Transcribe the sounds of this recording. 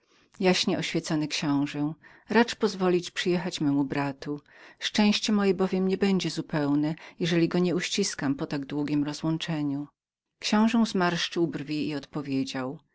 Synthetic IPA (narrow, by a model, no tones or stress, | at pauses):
jaɕɲɛʔɔɕfʲjɛt̪sɔnɘkɕɔ̃w̃ʐɛ | ɾat͡ʂpɔzvɔlʲit͡ɕpʂɨjɛxat͡ɕmɛmubɾat̪uʂt͡ʂɛ̃w̃ɕt͡ɕɛmɔjɛbɔvʲjɛmɲɛbɛɲd͡ʑɛzupɛwnɛjɛʐɛlʲiɡɔɲɛuɕt͡ɕiskampɔt̪aɡd̪wuɡʲimɾɔzwɔnt͡ʂɛɲu | kɕɔ̃w̃ʐɛw̃zmaɾʂt͡ʂɘwbɾvʲiiɔt̪pɔvʲjed͡ʑaw